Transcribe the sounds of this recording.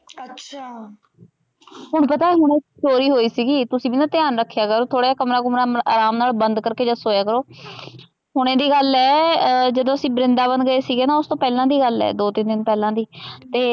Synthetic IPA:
ətːt͡ʃʰa | ɦʊɳ̃pət̪aːeːɦʊɽ̃ekt͡ʃoːɾiːɦoːiːsiːɡiːt̪ʊsĩːbiːnaːt̪ɪjaːnɾəkʰːjaːkəɾoːt̪ʰoːɽaːd͡ʒaːkəmɾaːkʊmɾaːaːɾaːmnaːlbənd̪kəɾkeːd͡ʒəsoːjaːkəɾoː | ɦʊɽ̃ẽːd̪iːɡəlɛːd͡ʒəd̪õːəsĩːbɾɪnd̪aːbənd̪ɡəeːsiːɡeːnaːʊst̪õːpɛːlãːd̪iːɡəlɛ̰ːd̪oːt̪ɪnd̪ɪnpɛːlãːd̪iːt̪eː

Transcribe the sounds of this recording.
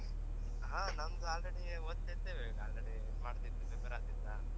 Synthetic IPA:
ɦaːnɐnd̪uaːlɾeɽi | oːd̪̚t̪ːet̪ːeːʋeaːlɾeɽi | maːɽt̪id̪ːubebeɾaːt̪id̪a

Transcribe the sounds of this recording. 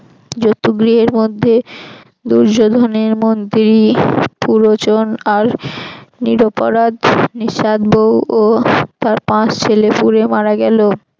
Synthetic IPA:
d͡ʑot̪ːuɡɾiɦeɾmod̪ʱːe | d̪uɾd͡ʑod̪ʱoneɾmond̪iɾipuɾot͡ɕonaɾ | niɾopo̰ɾad̪niʃad̪bowot̪aɾpãt͡ɕt͡ɕʰelepuɾemaɾaɡɛlo

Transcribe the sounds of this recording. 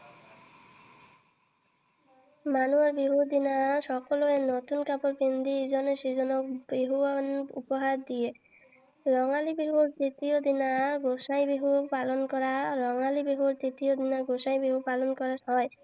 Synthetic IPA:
manuaɾbiɦud̪inaʃɔkoloenot̪unkapoɾpend̪id͡ʑɔneʃid͡ʒɔnɔk̚biɦuanṵpɔɦaɾd̪ije | ɾɔŋalibiɦuɾt̪ɾit̪iod̪inaɡoʃajbiɦupalonkɔɾaɾɔŋalibiɦuɾt̪ɾit̪iod̪inaɡoʃajbiɦupalonkɔɾaɔe

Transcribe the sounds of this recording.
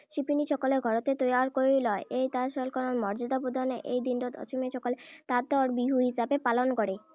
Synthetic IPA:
ʃipiniʃɔkoleɡʱɔɾot̪et̪ojaɾkoilɔeʔejt̪aʃɔlkɔnonmɔɾd͡ʑod̪apud̪ʱaneʔejd̪inɖod̪ɔ̰t͡ɕomeʃɔkolet̪add̪ɔɾbiɦuɦisabepalonkoɽe

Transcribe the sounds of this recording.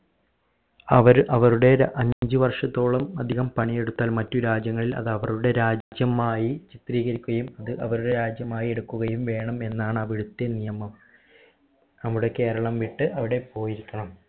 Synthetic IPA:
ɐʋɐɾɐʋɐɾuɽe̞ʔɐɲd͡ʑɨʋɐrʂɐt̪ːo̞ːɭɐmɐd̪ʱiɣɐmpɐɳije̞ɽut̪ːaːlmɐtːuɾaːd͡ʑjɐŋːɐɭilɐ̰ðɐʋɐruɽe̞ɾaːd͡ʑjɐmaːjit͡ɕit̪riːɣɐɾikʲːuɣɐjumɐðɨʔɐʋɐɾuɽe̞ɾaːd͡ʑjɐmaːjie̞ɽukːuɣɐjumʋe̞ːɳɐme̞nːaːɳɨɐʋiɽut̪ːe̞nijɐmɐm | nɐmuɽe̞ke̞ːɾɐɭɐmʋiʈːɨʔɐʋiɽe̞po̞ːjiɾikʲːɐɳɐm

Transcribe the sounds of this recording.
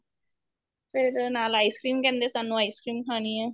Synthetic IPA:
feɾənalajskɾimkɛnd̪esanːuajskɾimkʰania

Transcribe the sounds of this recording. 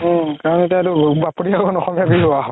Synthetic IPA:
kaɹɔnetiadubapoɹiaɔnɔxɔmjabiɦɔaɦɔ

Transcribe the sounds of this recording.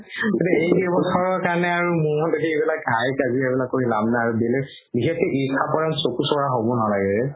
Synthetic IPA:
ɡitɛejɡɔbɔsʰɔɹɔkaɹnɛaɹumʊdekiebilak̚ɡʱajkaziɛbilakːoɦilabnaaɹubilɛ | biɦɛtɛʔikʰapɔɹansokusɔɹaɦobɔnalaɡɛɹɛ

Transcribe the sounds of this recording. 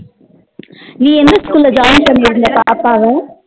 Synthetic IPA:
nĩːɛnd̪ɐskuːlɐd͡ʒaːjnsɐmɐɾɯnd̪ɐpaːɾpaːɣɐ

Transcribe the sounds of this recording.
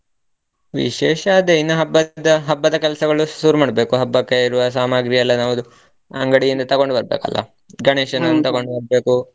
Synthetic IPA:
ʋḭʃɛːʃɐaːd̪einːɐɦɐbːɐd̪ɐɦɐbːɐd̪ɐkɛlɐsɐɡɐɭusuːɾumaːɽɐbeːkuɦɐbːɐkːeiɾuʋɐs̬aːmaːɡɾijɐlːɐnaːʋud̪u | ɐ̰ŋɡɐɽijind̪ɐt̪ɐɡo̞ɳɖubɐɾbeːkɐ̰lːɐ̰ | ɡɐɳeːʃɐnɐnːut̪ɐɡo̞ɳɖubɐɾbe̞ːku

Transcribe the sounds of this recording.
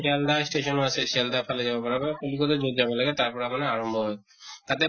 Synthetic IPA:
ɛldasʈesɔnɔasɛsɛldapʰalɛzabɔpaɹabapolikɔtɔzotzabɔlaɡɛt̪aɹpɔɹamanɛaɹɔmbʱɔɦɔj | t̪at̪ɛ

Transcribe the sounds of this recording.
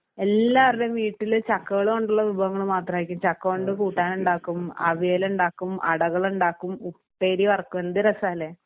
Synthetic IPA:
e̞lːaːʋɐriɽemiːʈːilt͡ɕɐkːɐɣɐɭumoɳɖuɭːɐʋubʱɐʋɐŋːɐɭmaːt̪rɐmaːjikʲːumt͡ɕɐkːɐkoɳɖɨkuːʈːaːnuɳɖaːkːumɐ̰ʋiːluɳɖaːkːumʔɐ̰ɽɐɣɐɭuɳɖaːkːumupːeːɾiʋɐrɐkːume̞nd̪iɾɐsaːlːeː

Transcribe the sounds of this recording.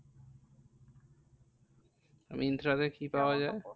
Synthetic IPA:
a̰miind̪ɾad̪ekipaoad͡ʑae

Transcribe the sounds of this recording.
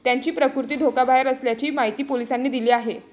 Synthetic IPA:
t̪jaɲt͡ɕiːpɾəkuɾt̪iːd̪ʱokabʱaɦeɾəsljat͡ɕiːmaɦit̪iːpolisanːiːd̪iliːaɦe

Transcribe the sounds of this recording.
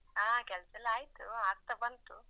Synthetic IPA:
aːkɛlɐsɐlːaːjt̪uaːɡ̚t̪ɐbɐnt̪u

